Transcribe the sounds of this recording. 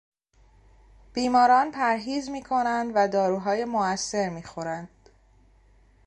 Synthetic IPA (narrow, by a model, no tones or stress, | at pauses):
b̥iːmɒːɾɒːnpʰæɾɦiːzmiːkʰo̞nænd̪væd̪ɒːɾuːɦɒːje̞moæsːe̞ɾmiːxo̞ɾænd̪̥